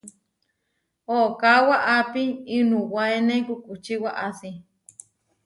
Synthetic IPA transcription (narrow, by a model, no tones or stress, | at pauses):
okawaʔapiinuwaenẽkukʼut͡ʃiwaʔasi